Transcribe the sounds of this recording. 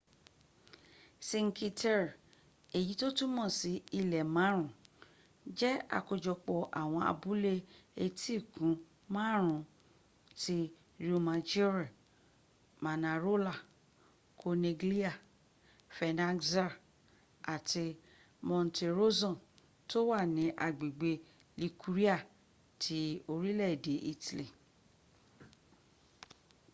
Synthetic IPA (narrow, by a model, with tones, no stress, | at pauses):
sĩ˧ŋ̩˦ki˧tɛ˦ɾ | e˨ji˨˦to˦tũ˦mɔ̃˦˨si˨˦i˧˨lɛ˨mã˨˦ɾ̃ũ˨ | d͡ʒɛ˦a̰˦˨ko˨˧d͡ʒɔ˧k͡pɔ˧ʔa̰˨w̃ɔ̃˧a̰˧bu˨˦le˧e˧˦ti˦˨kũ˨˦ | mã˦˨ɾ̃ũ˨ | ti˧ | ɾi˨u˧mã˧d͡ʒi˦ɾa˨ | ma˨nã˨ɾo˦la˦˨ | kʰo˧ne˧ɡli˦a˦˨ | fɛ˧nã˦za˦˨ | a˨ti˧ | mɔ̃˧n˨te˧ɾo˦zɔ̃˦˨ | to˦wa˦˨nĩ˨˦ʔa˨ɡ͡be˨ɡ͡be˧ | li˧ku˧ɾi˦a˦˨ | tʰi˧˦o˧ɾi˦lɛ˦˨de˨˦ʔi˧ti˨li˨